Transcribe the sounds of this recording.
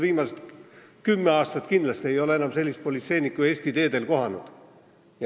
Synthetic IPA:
viːmɑset̪kymːeɑːst̪ɑt̪ˑkind̪lɑst̪ie̞jo̞le̞enɑmse̞lʲːist̪̚po̞lʲit̪se̞jnikːˑue̞ːst̪id̪e̞ːd̪e̞lko̞ɦɑnud̪̥ | j

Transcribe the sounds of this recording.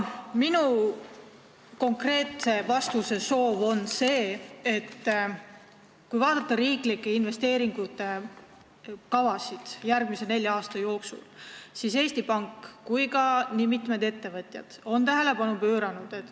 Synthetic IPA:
minu | ko̞ŋkre̞ːt̪se̞vɑst̪vuse̞so̞ːvo̞nse̞ːet̪ː | kujvɑːd̪̥ɑt̪ːɑɾiːklikːˑeinve̞st̪e̞ːɾiŋɡ̥ut̪ːˑe̞ | kɑvɑsid̪̥jærɡ̥̚mise̞ne̞lʲjɑːst̪ɑjo̞ːksṵlsise̞ːsʲt̪ipɑŋkːujkɑnimit̪med̪̥e̞t̪ːe̞vɤt̪ʲˑjɑ̰d̪̥o̞nt̪æɦe̞le̞pɑnupø̞ːɾɑnud̪̥e̞t̪ːˑ

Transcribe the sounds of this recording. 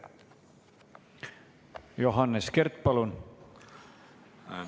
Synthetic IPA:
joɦɑnːeskeɾt̪̚pɑlun

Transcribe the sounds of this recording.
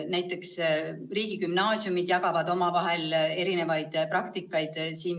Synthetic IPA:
næjt̪ːˑe̞ksriːɡ̥ikymnɑːsjumid̪̥jɑɡ̥ɑvɑd̪̥o̞mɑvɑɦe̞leɾine̞vɑjd̪̥prɑkt̪ikːˑɑjd̪̥siːn

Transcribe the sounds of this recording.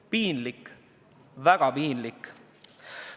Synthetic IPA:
piːnlik | væɡ̥ɑpiːnlikː

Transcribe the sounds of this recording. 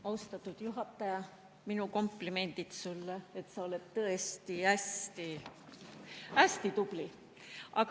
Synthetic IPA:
ɑwst̪ɑt̪ːˑud̪̥juɦɑt̪ːˑɑjɑ | minuko̞mplime̞nd̪̥it̪sulːeet̪sɑoled̪̚t̪ɤest̪iæst̪i | æst̪it̪ub̥li | ʔɑk

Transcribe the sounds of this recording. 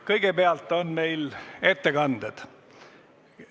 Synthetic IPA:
kɤjɡ̥epeɑlt̪ːˑo̞nme̞jle̞t̪ːekɑnd̪̥ed̪̥

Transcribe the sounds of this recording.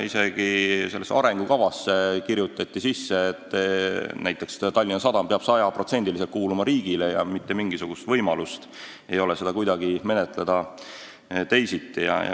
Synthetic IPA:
ise̞ɡ̥ise̞lːesɑ̰ɾe̞ŋɡukɑvɑsːekirjut̪ːˑɑt̪ʲːisisːe̞ːt̪ˑːnæjt̪ːˑe̞kst̪ɑlʲːinɑsɑd̪ɑmpeɑb̥sɑjɑpro̞t̪se̞nʲd̪ilis̬et̪kuːlumɑɾiːɡ̥ilejɑmit̪ːe̞miŋɡ̥isuɡ̥ust̪vɤ̞jmɑlust̪ | e̞jo̞lese̞d̪̥ɑkujd̪ɑɡime̞net̪ˑle̞d̪̥ɑ | t̪e̞jsit̪ˑːijɑ̰j̰

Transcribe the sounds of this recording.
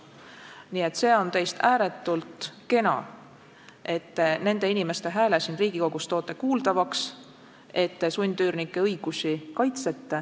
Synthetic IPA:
niːe̞t̪se̞ːo̞nt̪ejst̪ʰæːɾe̞t̪ːˑult̪ke̞nɑ̰ | ʔe̞t̪ːene̞nd̪̥e̞inʲime̞st̪e̞ɦæːlesinriːɡ̥iko̞ɡ̥ust̪o̞ːt̪ːˑe̞kuːld̪ɑvɑks | e̞t̪ːesunʲd̪̥yːrnikːˑe̞ɤjɡ̥usikɑjt̪se̞t̪ːe

